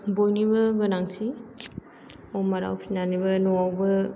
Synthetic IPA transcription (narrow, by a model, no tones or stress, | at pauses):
bojnibɐɡɯnaŋtʰi | owmaɾa̰wpʰinanibɐnɔwawbɐ